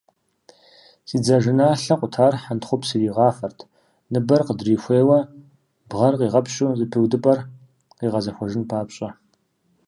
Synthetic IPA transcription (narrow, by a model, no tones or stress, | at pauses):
siːd͡zaʒɪnaːɬɐqʷʼʊtʰaːrħantχʷʊpsɨjiːʁɑːfɐrtʰ | nɨbɐrqədriːxʷeːwɐ | bʁɐrqiːʁɐpʰɕʼuzɨpʰiwdɨpʼɐr | qiːʁɐzɐxʷɔʒɪnpʰaːpɕʼɐ